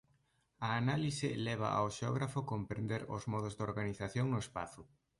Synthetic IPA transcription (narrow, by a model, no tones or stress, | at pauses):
ɐːnalisɪlɛβ̞a̰ʔa̰wʃeɔ̰ɣɾafʊkompɾend̪eɾʊ̰zmɔðʊzd̪oɾɣaniθaθjoŋnʊespa̰θʊ